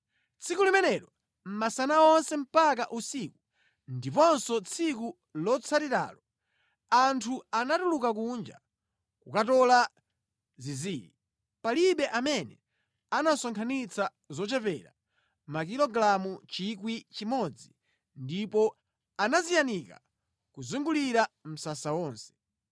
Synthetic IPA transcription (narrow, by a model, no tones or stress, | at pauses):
t͡sʰikulimɛnɛɾɔ | m̩masanaɔnsɛm̩pakaʔusiku | ndipɔnsɔt͡sʰik̬u | lɔt͡sʰatiɾa̰ːlɔ | antʰuanatulukak̬und͡ʒa | kukatɔla | ziziːlḭ | paliɓɛʔamɛnɛ | anasɔŋkʰanit͡sʰa | zɔt͡ʃɛpɛɾa̰ | makilɔɡɾamut͡ʃik̬wit͡ʃimɔd͡zi | ndipɔ | anazijanika̰ | kuzuŋɡuliɾam̩sasawɔːnsɛ̥